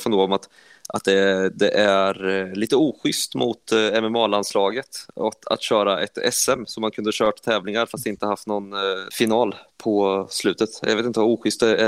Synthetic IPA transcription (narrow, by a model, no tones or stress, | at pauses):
fɔnoːɔmat̪ | ʔat̪̚d̪ɛd̪ɛʔæɾliːt̪əuːɧʏst̪mʊt̪ɛmɛmɑːlanslɑːɡət̪aa̰t̪ɕœːɾaʔɛ̰t̪ɛ̰sɛmsɔmːankʰɵnd̪əɕœːʈt̪ʰːɛːvlɪŋaɾfastd̪ɪnt̪əhaft̪nɔnfɪnɑːlpʰɔslʉ̟ːt̪ət̪jjɑeːt̪ɪnt̪əvauːɧʏst̪̚d̪ɛæ